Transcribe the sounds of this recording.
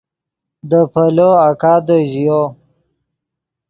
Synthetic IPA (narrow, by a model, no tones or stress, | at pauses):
d̪əpʰəloakad̪əʒijo